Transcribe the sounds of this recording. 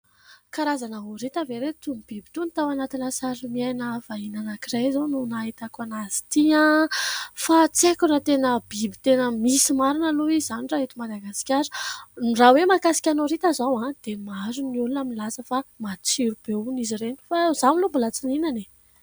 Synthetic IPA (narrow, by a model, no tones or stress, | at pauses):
kaɾazanaɦuɾit̪aveɾet̪umib̥ibit̪unit̪awanat̪inasaɾimiajnəv̥ainanakirajzanunaɦit̪akanazi̥t̪ia | fat͡sekunət̪enəbibi̥t̪enəmisimaɾinəluizaniɳɖ͡ʐaɦit̪umad̪aɡasi̥kʲaɾə̥nrawemakasi̥kʲanoɾit̪azawãd̪̥emazuniulunaminilasəfamat͡siɾub̥eunizireni̥faz̥amilumbulat͡sininane